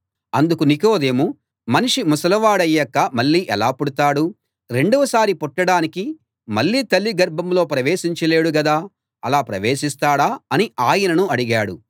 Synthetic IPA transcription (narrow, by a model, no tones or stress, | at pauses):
ɐnd̪ukuniko̞ːd̪eːmu | mɐniʂimusɐlɐʋaːɽɐjːɐkːɐmɐɭːiːʔɛlaːpuɽut̪aːɽu | ɾe̞ɳɖuʋɐsaːɾipoʈːɐɽaːniki | mɐɭːiːt̪ɐlːiɡɐɾbʱɐmlo̞ːpɾɐʋeːʃiɲt͡ʃɐle̞ːɽuɡɐd̪aː | ɐlaːpɾɐʋeːʂist̪aːɽaːɐniaːjɐnɐnuɐɽiɡaːɽṵ